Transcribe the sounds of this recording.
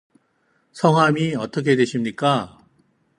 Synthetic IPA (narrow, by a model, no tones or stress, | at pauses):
sʰʌŋɦamiʌt͈ʌk̬ʰe̞dwe̞ɕʰimɲik͈a